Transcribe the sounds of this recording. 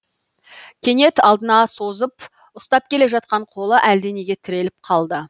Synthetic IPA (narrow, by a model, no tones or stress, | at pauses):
kʲʰe̞ne̞t̪ɑlˠd̪ənɑso̞zəp̚ | ʊst̪ɑp̚kʲʰe̞le̞ʒɑt̪̚qɑɴqʰo̞lˠəʔæld̪e̞ne̞ɡʲe̞t̪ʰɪɾe̞lɪp̚qʰɑlˠd̪ə